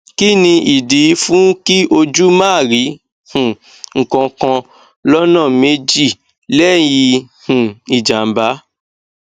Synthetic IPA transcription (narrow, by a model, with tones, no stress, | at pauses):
ki˦nĩ˧ʔi˨di˨˦fũ˦ki˦ʔo˧d͡ʒu˦mãː˦˨ɾi˨˦ | hũ˨ | ŋ̩˨kɔ̃˧kã˧ | lɔ˦nã˦˨me˧d͡ʒi˦˨ | lɛ˦˨ji˧hũ˨i˨d͡ʒa˨m˨ba˨˦